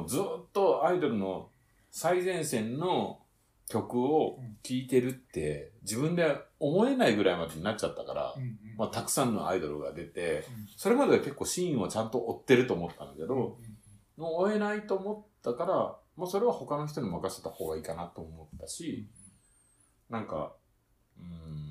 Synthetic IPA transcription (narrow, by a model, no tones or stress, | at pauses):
od͡zɨːt̪ːo̞aid̪o̞ɾɯ̟no̞ | saizẽ̞ɰ̃sẽ̞nːo̞ | kʲo̞kɯ̟o̞kʲiːt̪e̞ɾɯ̟t̪ːe̞d͡ʑibɯ̟̃nd̪e̞omo̞e̞naiɡɯ̟ɾaimad̪e̞ɲ̟inat͡ɕ̚t͡ɕat̪ːaka̰ɾa̰mat̪akɯ̟̥sãnːo̞̰ʔa̰id̪o̞ɾɯ̟ɡa̰d̪e̞t̪e̞so̞ɾe̞mad̪e̞ake̞kːo̞ːɕĩɰ̃βat͡ɕãnt̪o̞ʔːt̪ːe̞ɾɯ̟t̪o̞ːmo̞t̪ːãnd̪ake̞d̪o̞ | moːe̞nait̪o̞ːmo̞t̪ːakaɾa | moːso̞ɾe̞β̞aho̞kano̞ç̬i̥t̪o̞ɲ̟imakaɕt̪et̪aho̞ːɡaikanat̪ːo̞ːmo̞t̪ːaɕi | nãŋka̰ | ɯ̟̃